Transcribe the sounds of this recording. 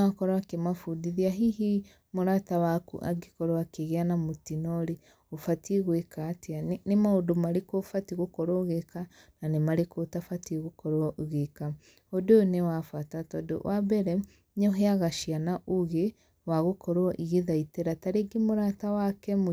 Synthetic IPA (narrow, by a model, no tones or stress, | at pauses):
akɔɾɔakemafudiðiaɦihi | moɾatawakṵʔa̰ɡikɔɾoakeɣeanamotinɔɾi | ofatʰiɣwekateanemaodomaɾekofatiɣokɔɾoɣeka | nanemaɾekotafatiɣokɔɾooɣeka | odoonewafatatɔdo̰wʔabɛɾɛ | ɲɔɦeaɣaʃianaʔoɣe | waɣokɔɾoɔʔiɣeðaiteɾataɾeɡemoɾatawakɛmo